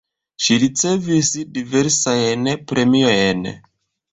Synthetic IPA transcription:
ʃiɾit͡se̞visdive̞ɾsajnpɾʔe̞miojn

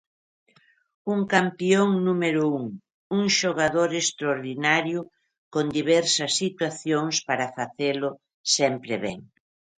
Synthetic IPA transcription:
uŋkampioŋnumeɾʊuŋ | uŋʃoɣaðoɾest̪ɾoɾðinaɾjʊ | kond̪iβɛɾsɐsːit̪waθjoŋspaɾɐfaθelʊ | sɛmpɾeβɛ̰ŋ

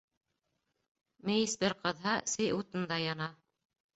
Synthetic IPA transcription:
mɘ̆jisbɘɾqɤ̆ðɦɑsɘjut̪ɤ̆nd̪ɑjɑnɑ

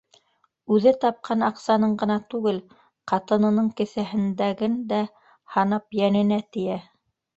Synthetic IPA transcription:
ʉðɘt̪ɑp̚qʰɑnɑqsɑnɤɴɢɤ̆nɑt̪ʉɡɘl | qɑt̪ɤ̆nɤ̆nɤɴkɘ̆θæɦɘ̆nd̪æɡɘnd̪æ | hɑnɤpjænɘ̆næt̪ɘ̆jæ

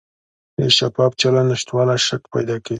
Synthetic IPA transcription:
eʃapɑp̚t͡ʃalanɪʃt̪wɑlaʃakpa̰jd̪ɑke

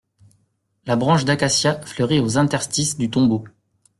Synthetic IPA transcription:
labʁɑ̃ʃd̪akasjaflœʁiozɛ̃t̪ɛʁst̪isd̪yt̪ɔ̃bo

